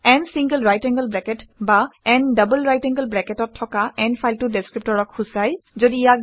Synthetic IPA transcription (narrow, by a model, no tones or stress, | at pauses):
ɛnsiŋɡəlɹajtɛŋɡəlbɹɛkɛtbaɛndəbəlɹajtɛ̃ŋɡəlbɹɛkɛtɔtʰːɔkaɛnpʰajltʊdɛskɹip̚tɔɹɔkxusajzodijak̚